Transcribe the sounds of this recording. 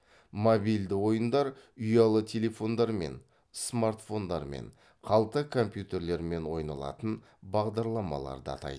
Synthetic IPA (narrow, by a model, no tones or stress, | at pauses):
mobijld̪ɪwo̞jənd̪ɑɾʏjɑlˠət̪ʲʰe̞le̞fo̞nd̪ɑɾme̞̰n | smart̪fo̞nd̪ɑ̰ɾmḛn | qʰɑlˠt̪əkʰo̞mpjut̪e̞ɾle̞ɾme̞nwo̞jnɑ̰lˠɑ̰t̪ən | bɑʁd̪ɑɾlˠɑmɑ̰lˠɑ̰ɾd̪əɑ̰t̪ɑ̰jd̪ə